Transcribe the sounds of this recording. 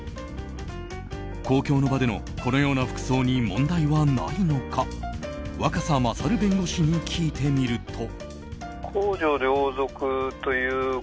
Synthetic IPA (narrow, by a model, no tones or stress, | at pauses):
ko̞ːkʲo̞ːno̞bad̪e̞no̞ | ko̞no̞jo̞ːnaɸɯ̥kɯ̟̥so̞ːɲ̟imõ̞nd̪aiβana̰ino̞kʰa | βakasamasaɾɯ̟bẽ̞ŋɡo̞ɕiɲ̟ikʲʰiːt̪e̞mʲiɾɯ̟t̪ʰo̞ | kʰoːd͡ʑo̞ɾeooːzo̞kɯ̟t̪o̞jɯː